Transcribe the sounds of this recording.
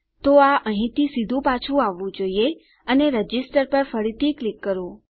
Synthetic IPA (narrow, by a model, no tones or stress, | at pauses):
t̪oaʔəɦĩt̪ʰisid̪ʱũpat͡ʃʰũaʋːũd͡ʒoie | əneɾəd͡ʒɪsʈəɾpəɾfəɾit̪ʰiklikːəɾũ